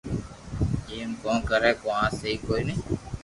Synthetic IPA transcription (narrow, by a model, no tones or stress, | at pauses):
eːmkõːnkəɾɛːkoãːseiːkoːiːnəː